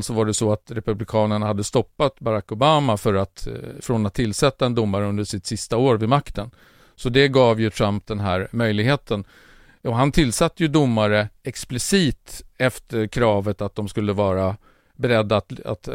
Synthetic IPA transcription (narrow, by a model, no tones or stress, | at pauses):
lsɔvaɖɛsɔat̪ɾɛpɵblɪkʰɑːnəɳahad̪ːəst̪ɔpːat̪baɾakːʊbaːmafœɾat̪fɾɔnat̪ʰːɪlːsɛt̪ːaɛnd̪ʊmːaɾəɵnd̪əʂɪt̪sɪst̪aoːɾvɪmakt̪ən | sɔd̪ɛɡɑːvjɵt̪ʰɾamp̚d̪ɛnɦæːɾmœjlɪɡheːt̪ʰən | ɔɦant̪ʰɪlːsat̪ːəjɵd̪ʊmːaɾəɛksplɪsiːt̪ɛft̪əɾkʰɾɑːvət̪at̪̚d̪ɔmskɵlːəvɑːɾa | bɛɾɛd̪ːat̪a̰t̪